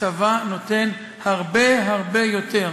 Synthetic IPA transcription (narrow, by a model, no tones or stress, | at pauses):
avanote̞n | haʁbeɦaʁbe̞joteʁ